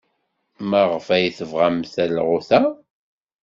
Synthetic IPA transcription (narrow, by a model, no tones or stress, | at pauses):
mæʁfæjiθəvʁamθælʁʊθæ